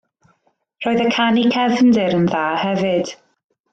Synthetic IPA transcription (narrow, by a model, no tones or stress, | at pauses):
r̥ɔːɨðəkʰanikʰɛvndɪɾənðaːhɛvɨd̥